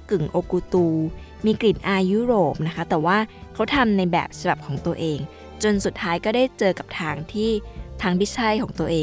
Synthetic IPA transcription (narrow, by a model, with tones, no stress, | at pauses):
kɯ˨˩ŋʔoː˧kuː˧t̪uː˧ | miː˧kli˨˩nʔaː˧juː˦˥ɾoː˨˩p̚na˦˥kʰa˦˥t̪ɛː˨˩waː˥˩kʰa˦˥wt̪ʰa˧mna˧jbɛ̰ː˨˩p̚sʰa˧ba˨˩p̚kʰɔː˩˦ŋt̪u˧ɐʔeː˧ŋ | t͡ɕo˧nsu˨˩t̪̚ʰːaː˦˥jkɔː˥˩daː˥˩jt͡ɕɤː˧ka˨˩p̚t̪ʰaː˧ŋt̪ʰiː˥˩t̪ʰaː˦˥ŋbi˦˥t͡ɕʰa˥˩jkʰɔː˩˦ŋt̪u˧əʔeː˧